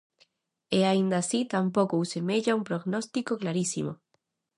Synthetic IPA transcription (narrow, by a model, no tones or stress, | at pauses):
eaind̪asit̪ampokousemeʎaumpɾoɣnost̪ikoklaɾisḭmo